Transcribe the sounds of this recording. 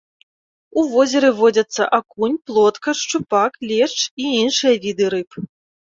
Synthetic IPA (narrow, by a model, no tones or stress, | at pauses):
uvɔzʲɛɾɨvɔd͡zʲɐt̪sːɐ̰ʔakunʲplˠɔt̪kɐʂt͡ʂupaklʲɛt͡ʂiinʂɨjɐvʲid̪ɨɾɨp